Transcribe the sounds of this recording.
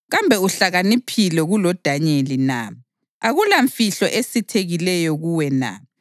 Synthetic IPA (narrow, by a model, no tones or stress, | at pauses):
ɣambʱɛuɬaɣanipʰilɛɣulɔd̥ʱaɲelina̰ | aɣulaɱfiɬɔ̰ʔesitʰeɣilɛjɔɣuwɛna̰